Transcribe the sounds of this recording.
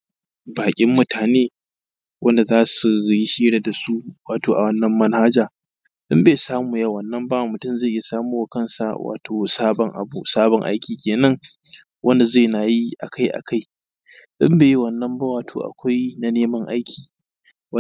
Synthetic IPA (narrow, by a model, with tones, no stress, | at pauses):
baː˨kʲʼɪ˦mːʊ˦tʰaː˨neː˦ | wʔɐ˦nda˨zaː˦su˨ji˦ʃiː˦ɽa˨da˨su˦waː˨toː˨ʔa˨wɐ˦nːɐ˦mːɐ˦nhaː˦d͡ʒaː˨ | ɗʊ˦mbeː˨saː˦muː˨ja˦˨wɐ˨nːɐ˦mba˦˨mʊ˨tʊ˦˨mza˦˨ʔɪ˦ja˨saː˦muː˦wa˨kɐ˦nsa̰˨wa̰ː˨tʰoː˨saː˦bɔ˨ŋʔa̰˨bṵ˦saː˦bɔ˨ŋʔa̰˦jkʲʰiː˨kʲeː˨nɐ˦ŋ | wʔɐ˦nda˨za˦˨jna˨ji˦ʔa̰˨kʰa˦jʔa̰˨kʰa˦j | ɗʊ˦mbeː˨ji˦wɐ˨nːɐ˦mba˦waː˨tʰo̰ː˨ʔa̰˨kʷa˦jna˨neː˦mɐ˦ŋʔa˦jkʲʰiː˨˦